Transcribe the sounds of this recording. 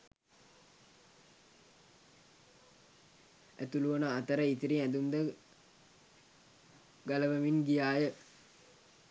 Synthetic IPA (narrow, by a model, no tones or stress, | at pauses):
æ̰t̪uluʋɐnəːt̪əɾəit̪iɾiŋæd̪und̪ə | ɡaləʋəʋinɡijaːjə